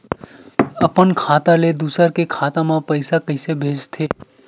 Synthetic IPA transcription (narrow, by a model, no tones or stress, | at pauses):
əpənkʰaːt̪aled̪uːsəɾkekʰaːt̪amãpəɪsakəɪsebʱeːd͡ʒt̪ʰeː